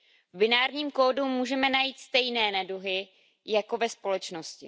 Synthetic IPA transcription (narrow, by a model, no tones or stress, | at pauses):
vbɪnaːɾɲiːmkoːdumuːʒɛmɛnajiːt̪st̪ɛjnɛːnaduɦɪ | jako̞vɛspo̞lɛt͡ʃnoscɪ̰